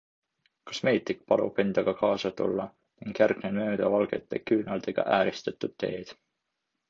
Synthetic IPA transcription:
kɑ̥sme̞ːt̪ːˑik̚pɑlṵpe̞nd̪̥ɑɡ̥ɑkɑːsɑt̪ṵlːɑ | niŋɡ̥jærɡ̥nenmø̞ːd̪̥ɑvɑlɡ̥e̞t̪ˑːekyːnɑld̪̥eɡ̥ɑ̰ʔæːɾist̪et̪ːˑud̪̥̚t̪ːe̞ːd̪̥

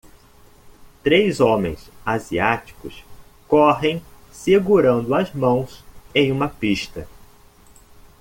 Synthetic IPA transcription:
t̪ɾejzõmḛ̃j̃saziat͡ʃi̥kʊs | kɔɦẽj̃ | seɡuɾɐ̃nd̪ʊɐzmɐ̃w̃sẽj̃ũmɐpiʃt̪ɐ

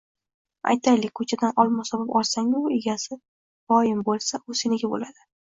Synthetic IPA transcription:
a̰jt̪ʰajlɪk̚ʲkʰɵt͡ʃʰad̪anʔɒlˠmasɒbɪpɒlˠsaŋʊeɡʲasɪ | bɒjɪmbolˠsaʔʊsenɪɡʲabo̰lad̪̥ɪ

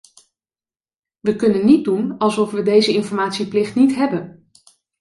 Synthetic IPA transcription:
ʋəkɵnənːid̚dunɑlˠsɔfʋədejzəɪnfɔɹmaːtsiplɪχtnitɦɛbən

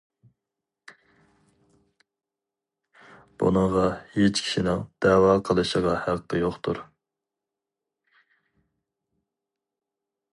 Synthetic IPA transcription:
b̥ṵnɨŋʁɑhet͡ʃkʲʰi̥ʃinɪŋd̪̥ɛwɑːqʰəlˠɨʃəʁɑhæqʰt̪ʰɛjoχt̪ʰṵɾ

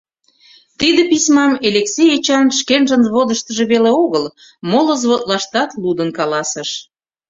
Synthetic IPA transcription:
t̪id̪epismɑmeleksejet͡ɕɑnʃkenʒənzβod̪əʃt̪əʒĕβeleoɣəl | moləzβot̪lɑʃt̪ɑt̪lud̪ənkɑlɑsəʃ

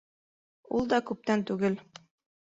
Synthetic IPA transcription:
ulˠd̪ɒkʉp̚t̪ænt̪ʉɡɘl

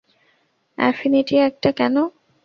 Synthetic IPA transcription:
ɛ̰finiʈiɛk̚ʈakɛno

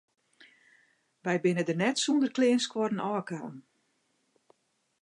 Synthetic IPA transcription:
ʋɛjbɪnədənɛtsundərklɪːənskwɔdən̩ɔːkaːn

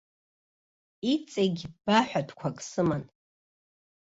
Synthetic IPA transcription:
it͡sʼeɡʲibaħʷᶣadʰkʷʰakʼsɨman

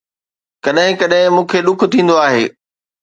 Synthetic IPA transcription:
kɐɗɦɪ̃kɐɗɦɪ̃mũːkʰeɗʊkʰt̪ʰĩːn̆d̪oaːɦeː

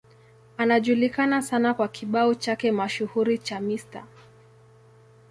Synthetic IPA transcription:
anaʄulikanasanakwakʰiɓaɔt͡ʃakɛmaʃuhuɾit͡ʃamista̰

